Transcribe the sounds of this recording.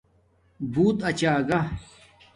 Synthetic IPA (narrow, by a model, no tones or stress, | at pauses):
bʱuːt̪ɐt͡ɕaːɡɐ